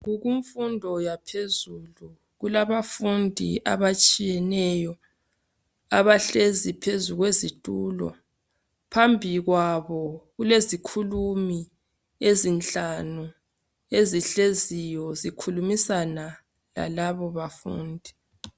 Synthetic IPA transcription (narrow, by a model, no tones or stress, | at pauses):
ɣuɣuɱfundʱɔjapʰezulu | ɣulaβafundʱḭʔa̰βat͡ʃʼijɛnɛjɔ | aβaɬezipʰezuɣwezitʼuːlɔ̰ | pʰambʱiɣwaβɔɣulezikʰulumi | ezint͡ɬʼanu | eziɬezijɔzikʰulumisana | la̰laβɔβafṵːndʱi